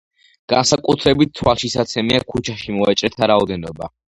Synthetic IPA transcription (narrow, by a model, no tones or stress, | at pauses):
ɡ̥ansakʼut̪ʰɾɛbit̪̚t̪ʰwalˠʃisat̪sʰɛmiakʰut͡ʃʰaʃimɔat͡ʃʼɾɛt̪ʰaɾaɔd̪ɛnɔba